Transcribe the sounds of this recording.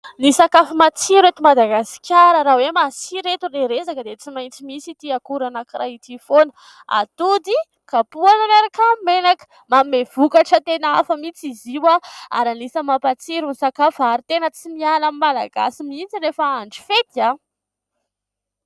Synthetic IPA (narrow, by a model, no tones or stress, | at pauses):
nisakafumat͡siɾet̪umad̪aɡasi̥kʲaɾəɾawemasiɾet̪ureɾezakəd̪et͡simajnt͡simisit̪iakuɾanakɾait̪ifonə | a̰t̪ud̪i | kapuananaɾakamenakə̥ | mamev̥ukaʈ͡ʂət̪enaafamit͡siziwaa̰ɾanisəmapat͡siɾunisakafaɾit̪enət͡simialamimala̰ɡa̰simint͡siɾefaaɳɖ͡ʐi̥fet̪ia